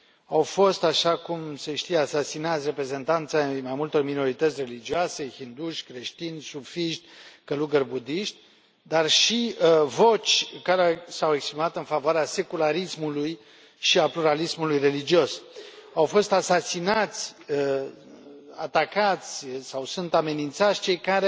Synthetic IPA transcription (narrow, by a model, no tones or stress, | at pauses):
awfo̞st̪aʃakumseʃt̪ijeasasinat̪sʲre̞pɾe̞ze̞nt̪ant̪samajmult̪o̞rmino̞ɾit̪ət̪sʲre̞lid͡ʒioase̞çind̪uʃʲkɾe̞ʃt̪inʲsufiʃt̪ʲkəluɡərbud̪iʃt̪ʲ | d̪arʃivo̞t͡ʃʲkaɾesawekspɾimat̪ɨnfavoaɾease̞kulaɾismuluj | ʃiapluɾalismulujre̞lid͡ʒio̞sawfo̞st̪asasinat̪sʲə | at̪akat̪sʲsawsunt̪ame̞nint̪sat̪sʲt͡ʃe̞jkaɾe